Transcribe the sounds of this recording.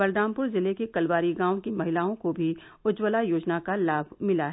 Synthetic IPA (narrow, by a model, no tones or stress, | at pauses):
bɐɾd̪ãːmpʊɾzɪlekekɐlwaːɾiɡãːõkimɐɦɪlaːõkobʱi | ʊd͡ʒwəlajoːd͡ʒnakalaːbʱmɪlaɦɛ